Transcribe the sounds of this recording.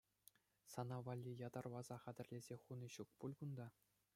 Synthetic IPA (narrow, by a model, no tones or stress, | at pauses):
sɑnɑʋɑlʲːijɑd̪ɑrʋɑzɑχæd̪ʲɘ̆rʲlʲezʲeχunɤ̆ɕuk̚pulʲkund̪ɑ